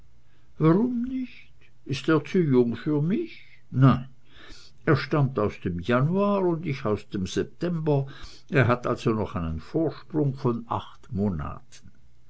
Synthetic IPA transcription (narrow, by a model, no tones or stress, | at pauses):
vaʁʊmnɪç | t | ɪsteːɐt͡sujʊŋfyːɐmɪç | naɪn | eːɐʃtamtaʊsd̥emjanuaːʁʊndɪçaʊsd̥emz̥ɛp̚tʰɛmbɐ | ʔeːɐɦatʔalz̥onɔχaɪnənfoːɐʃpʁ̥ʊŋfɔna̰χtmoːna̰ːtʰən̩